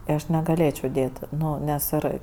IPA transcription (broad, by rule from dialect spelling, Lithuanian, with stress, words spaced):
tɐɪ ˈɐʃ nʲɛɡɐˈlʲeːt͡ʃʲɛʊ ˈdʲeːt ˈnʊ nʲɛs ˈɪr